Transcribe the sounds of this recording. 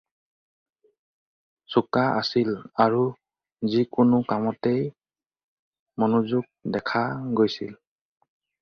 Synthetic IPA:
sukaʔasilaɹu | zikʊnʊkamɔtej | mɔnʊzuɡ̚dɛkʰaɡojsḭl

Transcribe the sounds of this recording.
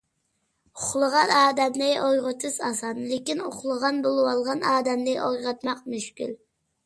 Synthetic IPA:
ʊχlˠəʁɑnɑːd̪ɛmnɪʔojʁʊt̪ʰɨsɑsɑnlɪkʲinʊχlˠəʁɑnbolˠɨwɑlˠʁɑnɑːd̪ɛmnɪʔojʁɑt̪mɑqmyʃkʲy̰l

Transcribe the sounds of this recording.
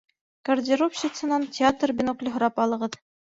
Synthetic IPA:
kɐrdʲɪropɕɪt̪sɤ̆nɑntʲɪat̪rbʲɪnoklʲɵɦŏɾɑpɑlˠɤ̆ʁɤð

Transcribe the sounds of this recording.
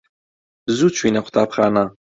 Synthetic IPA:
zut͡ʃʰwiːnɐqʰʷʊ̥t̪ʰaːpχaːna

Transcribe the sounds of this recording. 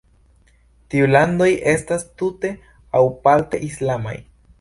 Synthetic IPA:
t̪iuland̪o̞jʔest̪ast̪ut̪e̞ | awpalt̪e̞̰ʔislama̰j

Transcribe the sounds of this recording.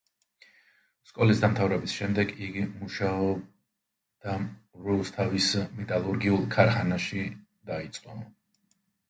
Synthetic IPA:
skʼɔlisd̪amt̪ʰavɾɛbisʃɛmd̪ɛɡiɡimuʃaɔ | d̪̥aɾust̪ʰavismɛt̪ʼalˠuɾɡiulˠkʰaɾχanaʃi | d̪ait̪sʼqʼɔ

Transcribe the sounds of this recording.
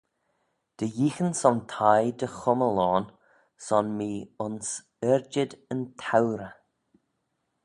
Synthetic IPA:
d̪̥əjiːxənsɔnt̪ʰajd̪əxʊməlɔːn | sɔnmiːʊns | ɛɹd͡ʒəd̪ənt̪ʰawɾə

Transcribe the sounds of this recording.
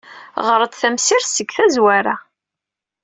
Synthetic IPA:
ʁəɾˤəd̪θæmsiɾsəɡθæzwæɾa

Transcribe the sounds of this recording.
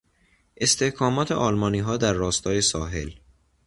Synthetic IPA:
ʔe̞st̪ʰe̞hkʰɒːmɒːt̪ʰḛʔɒːlmɒːniːɦɒːd̪æɾːɒːst̪ɒːje̞sɒːɦe̞̰l

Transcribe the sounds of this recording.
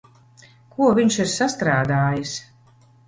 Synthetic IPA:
kuɔvʲiɲʃiɾsast̪ɾaːd̪aːjis

